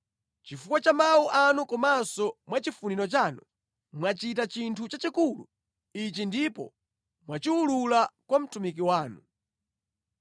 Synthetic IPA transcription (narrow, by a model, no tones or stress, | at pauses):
t͡ʃifukwat͡ʃamawuʔanukɔmansɔmwat͡ʃifuniɾɔt͡ʃanu | mwat͡ʃit̬at͡ʃintʰut͡ʃat͡ʃikulṵ | it͡ʃindipɔ̰ | mwat͡ʃiululakwam̩tumikiwaːnu